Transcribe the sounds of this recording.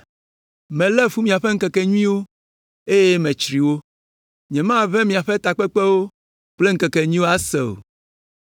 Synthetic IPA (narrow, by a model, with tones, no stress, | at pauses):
mɛ̃˨lɛ˦fu˦mĩ˨a˨ɸe˦ŋ̩˦kɛ˨kɛ˨ɲũ˦ĩ˦wo˦ | e˦je˦mɛ̃˨t͡ʃɾi˨wo˦ | ɲɛ̃˨mã˦vɛ˦mĩ˨a˨ɸɛ˦t̪a˨k͡pɛ˦k͡pe˦wo˦ | k͡ple˦ŋ̩˦kɛ˨kɛ˨ɲĩ˦wo˦a˦sḛ˨o̰˨